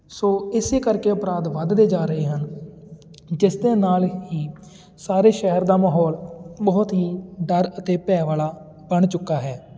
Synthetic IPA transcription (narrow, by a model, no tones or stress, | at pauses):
soːɪseːkəɾkeːʊpɾaːd̪ʋəd̪d̪eːd͡ʒaːɾəeːɦən | d͡ʒɪsd̪eːnaːlɦiː | saːɾeːʃɛɦəɾd̪aːmaːɦɔːlbɔːʊt̪ɦiːɖəɾət̪eːpɛːʋaːlaː | bəɳt͡ʃʊkːaːɦɛː